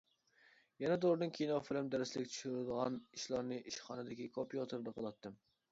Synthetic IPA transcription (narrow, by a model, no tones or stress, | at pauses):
jɛnɛd̪oɾd̪ɨnkʲʰijinɑfɪlɛmd̪æɾɪslɪkʲt͡ʃʰy̥ʃyɾɪd̪əʁɑniʃlˠɑɾnɨʔiʃχɑnɨd̪ɪkʲikʰopijot̪ʰɨɾɨd̪əqʰəlˠɑt̪ʰːɨm